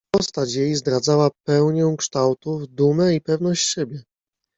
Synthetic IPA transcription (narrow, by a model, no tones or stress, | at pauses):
pɔst̪at͡ɕjejzd̪ɾad̪zawapɛwɲɔ̃w̃kʂt̪awt̪uvd̪umɛipɛvnɔɕt͡ɕɕɛbʲjɛ